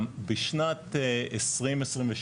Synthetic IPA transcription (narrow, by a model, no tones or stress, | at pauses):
mbiʃnat̪esʁimesʁimveʃ